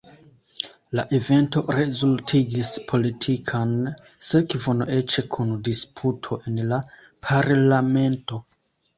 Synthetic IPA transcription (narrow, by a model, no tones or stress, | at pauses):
laʔe̞ve̞nto̞ɾe̞zultʰiɡispʰo̞litʰikʰan | sekvonoʔe̞t͡ʃe̞kʰundispʰutʰo̞ʔe̞nla | pʰaɾlame̞nto̞